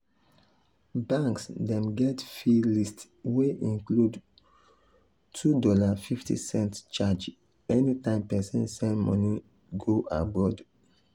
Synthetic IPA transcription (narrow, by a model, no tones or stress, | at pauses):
bãŋksdɛ̃mɡɛtfilist | weʔĩŋklud | tʰudɔlafiftḭsɛ̃ntt͡ʃad͡ʒ | ɛnitãɪ̃mpɛsɛ̰̃nsɛ̃nmɔ̰̃ni | ɡoʔa̰bɔd